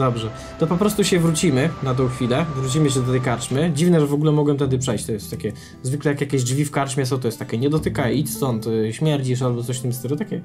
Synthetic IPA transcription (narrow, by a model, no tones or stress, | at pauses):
d̪ɔbʐɛ | t̪ɔpɔpɾɔst̪uɕɛvɾut͡ɕimɘnat̪̬ɔ̃w̃xfʲilɛvɾut͡ɕimɘɕ̬ɛd̪ɔt̪ɛjkaɾt͡ʂmɘd͡ʑivnɛʐɛvɔɡulɛmɔɡwɛmt̪ɛd̪ɘpʂɛjɕt͡ɕt̪ɔjɛst̪ːakʲɛ | zvɘklɛjakjakʲeʑd͡ʐvʲifkaɾt͡ʂmʲasɔt̪̬ɔjɛst̪ːakʲɛɲɛd̪ɔt̪ɘkajit͡ɕst̪ɔnt̪ɕmʲjɛɾd͡ʑiʂ̬albɔt̪sɔɕt̪ɘmʲst̪ɛɡɔt̪akʲɛ